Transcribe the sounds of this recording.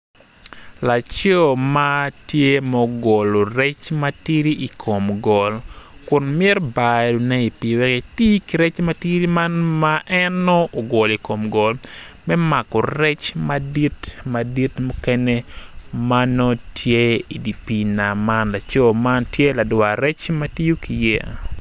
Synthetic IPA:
la˨t͡ʃɔ˦ma˦tje˦mɔ˦ɡo˨lo˨ɾɛ˦t͡ʃmati˦ɾi˦i˨kʰo˨mɡɔ˨lkʊ˨nmɪ˦rba˨ɾu˨nɛ˦i˨pi˨wɛ˦ki˨ti˦ki˨ɾɛ˦t͡ʃma˦ti˦ɾi˦ma˦nmaʔɛnːɔː˦˨ɡo˨li˨ko˨mɡɔ˨lmɛ˦ma˨kɔ˨ɾɛ˦t͡ʃmadi˦tma˨di˦tmo˦kɛ˦nɛ˦ma˦nɔ˦tje˦i˨di˨pi˨na˨ma˦nla˨t͡ʃɔ˦ma˦ntje˦la˨dwaɾɛ˦t͡ʃma˦ti˦ju˦ki˨jɛ˦a̰˨

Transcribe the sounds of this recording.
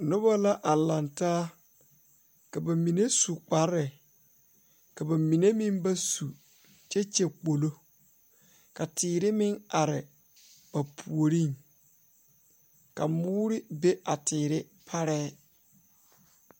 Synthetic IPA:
nʊ˦ba˦la˦ʔa˨la˨ntaː˦ | ka˨ba˨mi˨ne˦su˨k͡pa˨ɾɪ˨ | ka˨ba˨mi˨ne˦mɪ̃˦mba˦su˨ | t͡ʃɛ˦t͡ʃe˨k͡po˨lo˦ | ka˨tʰɪː˨ɾɪ˦mɪ˦ŋa˨ɾɪ˨ | b̥a˨pʰu˨o˨ɾi˦˨ŋ | ka˨mʊː˦ɾɪ˦be˦ʔa˨tʰɪː˨ɾɪ˦ | pʰa˦ɾɛː˦

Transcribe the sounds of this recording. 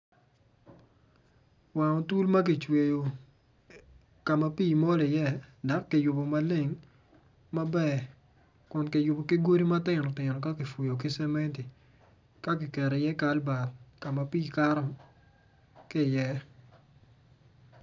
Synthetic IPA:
wa˨ŋɔ˨tu˦lma˦k̬ɪ˨t͡ʃwe˨jo˨ | ka˨ma˨piː˦˨mo˦lɪ˨jɛ˦˨da˨˦kːɪ˨jʊ˨bo˨ma˨˦lɪ˦˨ŋ | ma˦bɛ˦˨ | kʊ˨nkɪ˨jʊ˨bo˨kɪ˦ɡo˦ɾi˦ma˦tɪ˦˨nɔ˨tɪ˨nɔ˨ka˦kɪ˨fu˨jo˨k̬ɪ˦sɛ˦mɛ˦nti˨ | ka˦k̬ɪ˨kɛ˨ɾe˨jɛ˦ka˨˦lba˨tka˨ma˨piː˦˨ka˦ɾɔ˦ | kɪ˦˨jɛ˦

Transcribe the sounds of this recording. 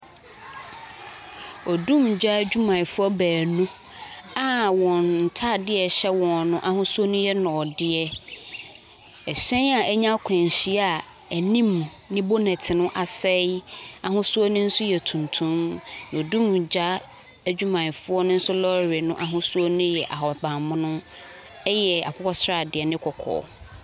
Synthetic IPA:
o˨dũ˦md͡ʑa˦d͡ʑᶣu˦mã˨fʊ˦ɔ˦bæː˨nʊ̃˦ | a˨wɔ̃˨nn̩˨tʰa˦˨dɪ˦ɛ˨ɕɛ˦wɔ̃˨nʊ̃˦ʔa˦ɦʊ̃˦su˦o˦nʊ̃˦jɛ˦nɔ̃˨dɪ˦ɛ˦ | ɛ˨ɕɛ̃˦a˨ʔɛ˦ɲã˦kʷʰɛ̃˨ɲ˨ɕi˦a˨ | æ˨nĩ˦m˨ | nɪ̃˦bo˦nɛ̃˨tʰɪ˨nʊ̃˦ʔa˨sɛ˦a˨ɦʊ̃˦su˦ɔ˦nʊ̃˦n̩˦sʊ˦jɛ˨tʰũ˨ntʰũ˦mn˨o˨du˦mũ˨d͡ʑa˦ | æ˦d͡ʑᶣu˦mã˨n˨fʊ˦ɔ˦nʊ̃˦n̩˦sʊ˦lɔ˦ɾɪ˨nʊ̃˦ʔa˨ɦʊ̃˦su˦ɔ˦nʊ̃˦jɛ˨ʔa˨ɦɔ˨bã˨mʊ̃˦nʊ̃˦ | ɛ˦jɛ˨a̰˨kʰʊ˦kʰɔ˦sɾa˨dɪ˨ɛ˨nɪ̃˦kʰɔ˨kʰɔ̰ː˨

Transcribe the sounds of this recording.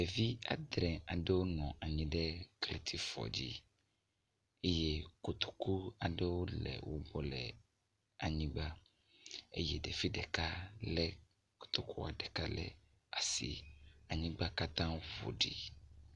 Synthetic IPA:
ɖe˨vi˦a̰˨d̪ɾɛ̃˨a˨ɖe˦wo˦nɔ̃˨a˨ɲĩ˨ɖɛ˦kle˨t̪ʰi˦fɔ̰˨d͡ʑḭ˦ | e˦je˦ko˨t̪o̥˨ku˦a˨ɖɛ˦wo˦lɛ̰˨wʔo˦bɔ˨lɛ˨ | a˨ɲĩ˦ɡ͡ba˦ | ḛ˦je˦ɖe˨fi˦ɖɛ˨ka˦lɛ˦ | ko̥˨t̪o˦ku˦a˨ɖɛ˨ka˦lɛ̰˨ | a˨sḭ˨a˨ɲĩ˦ɡ͡ba˦ka˦t̪ã˦vo̰˨ɖḭ˨

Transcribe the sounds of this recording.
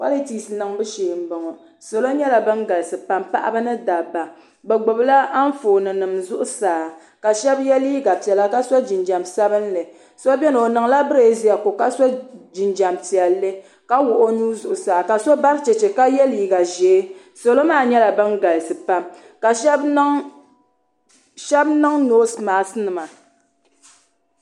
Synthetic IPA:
wa˦lɨ˦tiː˨sɨ˨nɨ˨ŋbɨ˦ʃeː˨m̩˦bɔ˨ŋɔ˨ | so˨lo˦ɲɛ˦la˨bɨ˦ŋɡa˨lsɨ˨pa˨mpa̰˦ʔa̰˦bɨ˦nɨ˦da˨ba˨ | bɛ˨ɡ͡bo˨bla˦a˦n˦foː˨nɨ˨nɨ˨mzʊ˦ʔʊ˦saː˨ | ka˨ʃɛ˦bjɛ˦liː˦ɡa˨pi˨ɛ˨la˦ka˦sɔ˦d͡ʒi˨nd͡ʒa˨msa˦bɨ˦n˦lɨ˨ | so˦bɛ˦nɨ˨o˨nɨ˨ŋla˦bɨ˦ɾeː˨zi˦a˨ko˨ka˦sɔ˦d͡ʒɪ˨nd͡ʒa˨mpi˨ɛ˨lːɨ˦ | ka˦wʊ˨ʔo˦nuː˦zʊ˨ʔʊ˨saː˨ka˨so˦ba˦ɾt͡ʃɛ˨t͡ʃɛ˨ka˦jɛ˦liː˨˦ɡa˨ʒeː˨˦ | so˨lo˦maː˦˨ɲɛ˦la˨bɨ˦ŋɡa˨lɨ˨sɨ˨pa˦m | ka˨˦ | ʃɛ˦bnɨ˦ŋnoː˦smaː˨snɨ˨ma˨

